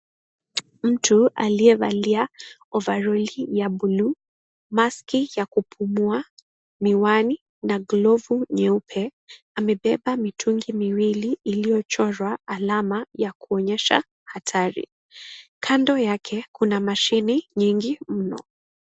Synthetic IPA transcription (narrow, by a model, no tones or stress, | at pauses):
m̩tʰua̰liɛva̰liaɔvaɾɔlijaɓulu | maskijakupʰumua | miwani | naɡlɔvuɲɛupʰɛ | amɛɓɛɓamitʰuŋɡimiwiliːlijɔt͡ʃɔɾwaːlamajakuɔɲɛʃa̰ | hatʰaɾḭ | kʰandɔjakʰɛkunamaʃiniɲiŋɡim̩nɔ̰